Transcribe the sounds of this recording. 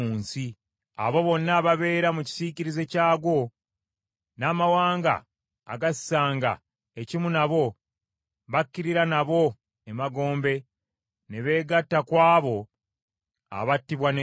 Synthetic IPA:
uːnsi | a̰βo̞βo̞nːaβaβe̞ːɾamuci̥siciɾize̞caːɡwo̞ | naːmawaːŋɡa̰ː | ɡasi̥saːŋɡa̰ | ecimunaβo̞ | βakːiɾiɾanaβo̞ | emaɡo̞ːmbe̞ | neβe̞ːɡatːakwaːβo̞ | a̰βatːiβwan

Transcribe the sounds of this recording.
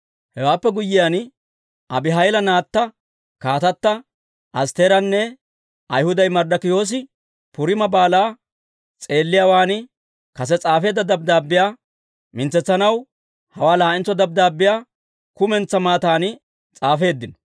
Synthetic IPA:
hɛwaːpːɛɡʊjːɪjan | ʔɐbɪɦɐjlɐnaːt̪ːɐ | kaːt̪ɐt̪ːɐ | ʔɐst̪eːɾɐnːɛ | ɐjhʊd̪ɐjmɐɾd̪ɐkɪjo̞ːs̬ɪ | pʊɾɪmɐbaːlaː | t͡sʼe̞ːlːɪjaːwaːn | kɐs̬ɛt͡sʼaːfe̞ːd̪ːɐd̪ɐb̚d̪aːbːɪjaː | mɪnt͡sːɛt͡sːɐnɐw | hɐwaːlaːɪnt͡sːɔd̪ɐb̚d̪aːbːɪjaː | kʊmɛnt͡sːɐmaːt̪aːnɪ | t͡sʼaːfe̞ːd̪ːɪnɔ̥

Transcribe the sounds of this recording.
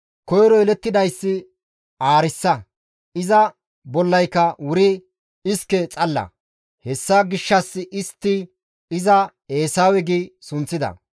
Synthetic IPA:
kɔjɾɔɛlɛt̪ːɪd̪ɐjsːɪ | aːɾɪsːɐ | ɪzɐ | bɔlːɐjkːɐwʊɾɪ | ɪskɛt͡sʼɐlːɐ̰ | hɛsːaɡɪʃːɐsːɪʔɪst̪ːɪ | ɪzɐ | e̞ːsaːwɛɡisʊnt͡sːɪd̪ɐ̰

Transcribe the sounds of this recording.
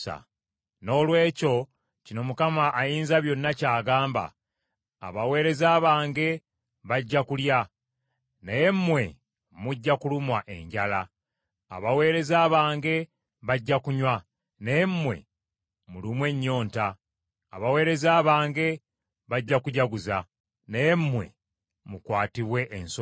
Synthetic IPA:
a̰ | no̞ːlwe̞ːco̞ | cino̞mukamaʔːjiːnzaβjo̞nːacaːɡaːmba̰ː | βawe̞ːɾe̞zaːβaːŋɡe̞ | βaɟːakulja | neje̞mːwe̞̰ | muɟːakulumwaʔe̞̰ɲɟala̰ː | βawe̞ːɾe̞zaːβaːŋɡe̞ | βaɟːakuɲwa | nejemːwe̞̰ | mulimwe̞ɲːo̞ːnta̰ː | βawe̞ːɾe̞zaːβaːŋɡe̞ | βaɟːakuɟaɡuza | neje̞mːwe̞̰ | mukwaːtiβwe̞ʔːnso

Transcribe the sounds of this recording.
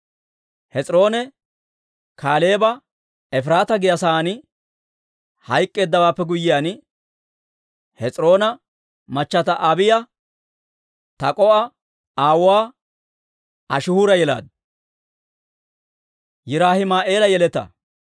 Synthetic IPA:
hɛt͡sʼɾo̞ːnɛ | kʰaːle̞ːbɐ | ɛfɾaːt̪ɐɡɪjɐsaːnɪ | hɐjkʼːe̞ːd̪ːɐwaːpːɛɡʊjɪjaːn | hɛt͡sʼɾo̞ːnɐ | mɐt͡ʃːɐt̪ɐʔɐbɪjɐ | t̪ɐkʼɔʔɐ | aːwʊwaː | ɐʃɪhʊɾɐjɛla̰ːd̪̚ | jɪɾaːhɪmaːʔe̞ːlɐjɛlɛt̪ːɐ̰

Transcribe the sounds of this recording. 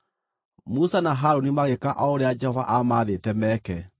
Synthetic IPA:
musanaɦaɾonimaɣekaʔaoɾead͡ʒɛhɔva̰ʔamaːðetɛmɛkɛ

